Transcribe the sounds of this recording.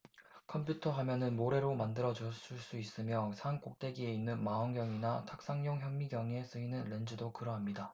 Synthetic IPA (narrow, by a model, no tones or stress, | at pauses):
kʰʌmpʰjutʰʌɦamjʌnɯnmoɾe̞ɾomandɯɾʌd͡ʑʌs͈uɭs͈uis͈ɯmjʌsʰank͈ok̚t͈e̞ɡie̞inːɯnmaʌŋɡjʌŋinatʰak̚s͈aŋɲoŋçjʌmːiɡjʌŋe̞s͈ɯinɯnɾe̞nd͡ʑɯdokɯɾʌɦamɲida